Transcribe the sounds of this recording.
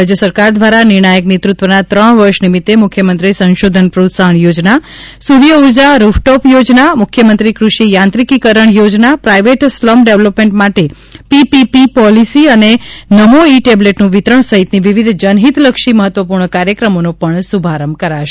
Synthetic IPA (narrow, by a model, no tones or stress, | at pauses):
ɾad͡ʒjəsəɾkaɾd̪ʋaɾanɪɾɳ̃ajəknet̪ɾut̪ʋənat̪ɾəɳʋəɾʃnimit̪ːemʊkʰːjəmənt̪ɾisə̃nʃod̪ʱənpɾusaɳjod͡ʒna | suʋjəuɾd͡ʒaɾufʈɔpjod͡ʒnamʊkʰjəmənt̪ɾikɾuʃijãnt̪ɾikikəɾəɳjod͡ʒnapɾaiʋeʈslɔmɖeʋləpmẽɳʈmaʈepipipipɔlisiənenəmoiʈebleʈnũʋit̪ɾəɳsəɦit̪niʋiʋid̪ʱd͡ʒənɦit̪ləkʃiməɦət̪ːʋəpuɾɳəkaɾjəkɾəmonopəɳsubʱaɾəmkəɾaʃe̥